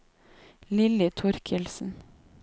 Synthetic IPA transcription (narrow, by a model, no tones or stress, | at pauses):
lɪlɪt̪ʰʊɾkʰɪlsn̩